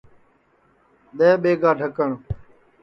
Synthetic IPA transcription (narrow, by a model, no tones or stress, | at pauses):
ɗ̪eːɓeːɡaːɖʱəkəɳ